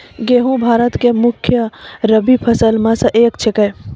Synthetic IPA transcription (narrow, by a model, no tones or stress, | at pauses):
ɡeɦũbʱaːɾət̪kemʊkʰjəɾəbipʰəsəlmãsə̃ʔeːkt͡ʃʰekəj